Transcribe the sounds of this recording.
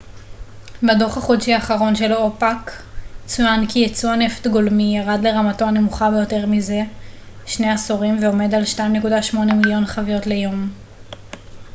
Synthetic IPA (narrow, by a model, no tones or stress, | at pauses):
badoχhaχodʃiaːχaʁo̞nʃe̞lo̞pak | t͡sujankijet͡suane̞ft̪ɡo̞lmijaʁadle̞ʁamato̞ane̞muχabe̞jo̞te̞ʁmize̞ | ʃne̞asoʁimveo̞me̞dalʃtaimne̞kudaʃmo̞ne̞miljo̞nχavijo̞tle̞jo̞m